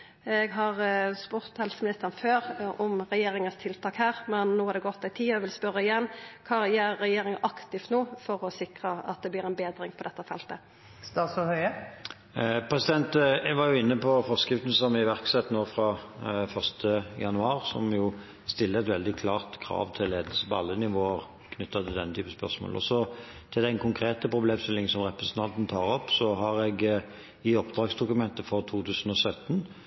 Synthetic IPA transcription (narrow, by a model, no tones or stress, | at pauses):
ɛɡɦɑʁspʉɾt̪hɛlsmɪnɪst̪əʁnføːɾɔmʁɛjeːɾɪŋənst̪ʰɪlt̪ʰɑːkhæːʁmɛnːoːhɑɾd̪ɛɡɔt̪ːæɪt̪ʰiːɔʋɪlspœɾːəɪjɛnːkʰɑːjæːɛjeːɾɪŋəʔɑkt̪ɪft̪noːfɔɾɔsɪkʁəɑ̰t̪̚d̪ɛblɪːʁɛnbeːd̪ʁɪŋpʰɔd̪ɛt̪ːəfɛlt̪ə | st̪ɑːsɔhœʏə | pʰɾɛsɪd̪ɛnt̪ɛɡʋɑʁjʊɪnːəpɔfɔʁskʁɪft̪n̩sɔmɪʋæʁksɛt̪ːnoːfɾɑfœʁst̪ʰəjɑnʉɑːʁsɔ̰mjʊ | st̪ɪlːəɛt̪ʋɛld̪ɪkʰlɑːʁt̪kʰɾɑ̰ːʋt̪ʰɪlːeːd̪əl̩səpɔɑlːənɪʋoːəʁ | kʰnʏt̪ːɑɪld̪ɛnːət̪ʰyːpəspœʁsmo̰ːlʔɔ̰sɔ | t̪ʰɪld̪æɪnkʰʊŋkʰɾeːt̪əpʰɾʊbleːmst̪ɪlːɪŋsɔmʁɛpʁɛsənt̪ɑnt̪n̩t̪ʰɑːʁɔpːsɔɦɑʁɛɡ | ɪɔpd̪̥ʁɑːɡsd̪ʊkʉmɛnt̪əfɔʁt̪ʰuːt̪ʰʉːsən̩ɔsœt̪ːən